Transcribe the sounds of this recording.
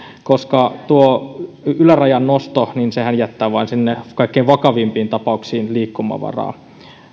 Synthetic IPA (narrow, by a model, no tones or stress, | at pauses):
koskɑt̪uo | ylærɑjɑnnost̪oninsehænjæt̪ːæːʋɑinsinːekɑikːeiʋɑkɑʋimpiːnt̪ɑpɑuksiːnliːkːumɑ̰ʋɑ̰rɑ̰ː